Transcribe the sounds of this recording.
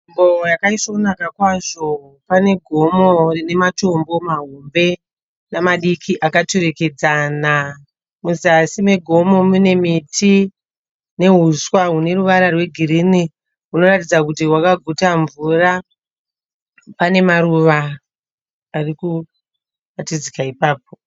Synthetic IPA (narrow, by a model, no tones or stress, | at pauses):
mbojakaisokunakakwaʐo̞ | pane̞ɡʱo̞mo̞rine̞mato̞mbo̞maɦombe̞ | namaɗikʰiʔakatoɾeke̞d͡zana | muzasime̞ɡʱo̞mo̞mune̞mitʰi | ne̞ɦuswaɦune̞ruʋaɾarwe̞ɡʱiɾini | ɦunoratid͡zak̬utiwakaɡʱutaɱvura | pane̞maɾuʋa | riku | ratid͡zikaipaːp̚o̞